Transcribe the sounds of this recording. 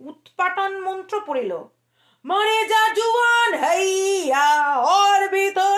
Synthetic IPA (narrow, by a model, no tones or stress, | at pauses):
ut̪paʈonmɔnt̪ɾopoɽelo̰ | məɾed͡ʑad͡ʑuanɦəjaɔɾbit̪o